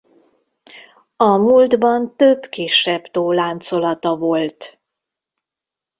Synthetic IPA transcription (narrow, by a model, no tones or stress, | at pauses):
ɒmuːld̪bɒnt̪øbkiʃɛbt̪oːlaːnt̪so̞lɒt̪ɒvo̞lt̪